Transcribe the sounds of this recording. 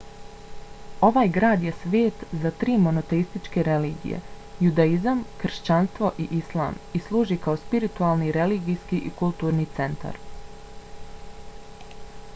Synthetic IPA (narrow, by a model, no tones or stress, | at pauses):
o̞ʋaːjɡɾaːd̪je̞sʋeːt̪zat̪ɾiːmo̞no̞t̪e̞ist̪it͡ʃke̞ɾe̞liːɡḭjḛjud̪aizamkr̩ʃt͡ɕanst̪ʋo̞ʔiʔislˠa̰ːmislˠuːʒikaospiɾit̪ualˠniɾe̞liɡijskiʔikulˠt̪uːɾnit̪se̞nt̪a̰ɾ